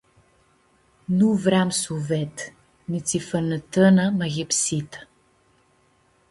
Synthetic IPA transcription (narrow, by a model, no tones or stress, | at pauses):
nuvɾamsuvɛt̪ | nit̪sifənət̪ənəmɐɣɛpsit̪ə̥